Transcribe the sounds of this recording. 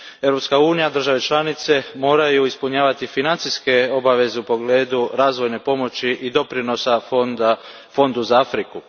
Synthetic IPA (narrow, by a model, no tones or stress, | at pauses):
eʋɾo̞pskauːnijad̪r̩ʒaʋe̞t͡ʃlanit̪se̞mo̞ːɾajuispuɲaːʋat̪ifinant̪siske̞o̞baʋe̞ze̞upo̞ɡle̞ːd̪uɾaːzʋo̞jne̞po̞mo̞t͡ɕiʔid̪o̞pɾino̞sa | fo̞nd̪uzaafɾiku